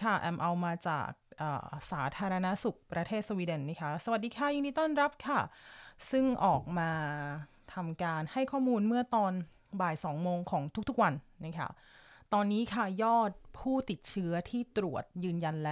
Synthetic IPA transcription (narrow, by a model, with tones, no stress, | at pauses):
kʰa˥˩ʔɛ˧mʔa˧wmaː˧t͡ɕa̰ː˨˩k̚ʔɤ̰ː˨˩sa̰ː˩˦t̪ʰaː˧ɾa˧na˦˥su˨˩k̚pɾa˧t̪ʰeː˥˩so˧wiː˧de˧nːa˦˥kʰa˦˥sa˧wa˨˩t̪̚diː˧kʰa˥˩ja˧ŋdiː˧˥t̪ɔː˥˩nɾa˦˥p̚kʰa˥˩sɯ˥˩ŋʔɔː˨˩k̚maː˧ | t̪ʰa˧mkaː˧nha˥˩jkʰɔː˥˩muː˧nmɯ˥˩ɐt̪ɔː˧n | baː˨˩jsɔː˩˦ŋmoː˧ŋkʰɔː˩˦ŋt̪ʰu˥k̚t̪ʰu˦˥k̚wa˧nːa˦˥kʰa̰˥˩ | t̪ɔː˧nːiː˦˥kʰa˥˩jɔː˥˩t̪̚pʰuː˥˩t̪i˨˩t̪̚t͡ɕʰɯ˦˥ɐt̪ʰiː˥˩t̪ɾu˨˩ət̪̚jɯː˧nja˧nlɛː˦˥